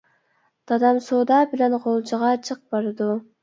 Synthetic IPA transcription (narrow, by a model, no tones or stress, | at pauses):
d̪̥ɑd̪ɑmsoːd̪ɑbilenqolˠd͡ʒɑʁɑt͡ʃʰɨq̚bɑɾd̪u